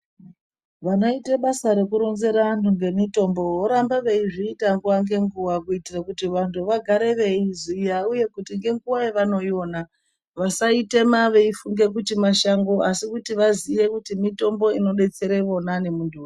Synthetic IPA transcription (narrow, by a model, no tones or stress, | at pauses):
ʋano̞iteɓasaɾe̞kuɾo̞nze̞ɾantʰuŋɡe̞mito̞mbo̞ɦoɾambaʋe̞iʐiːtaŋɡuwaŋɡe̞ŋɡuwakuitirakutiʋantʰuʋaɡʱaɾe̞ʋe̞izijauje̞kutiŋɡe̞ŋɡuwajeʋano̞jo̞ːna | ʋasaite̞maʋe̞ifuŋɡe̞k̬utimaʃaŋɡoʔasikutiʋazije̞kutimito̞mbo̞ino̞ɗe̞t͡se̞ɾeʋo̞nane̞mundʰʱu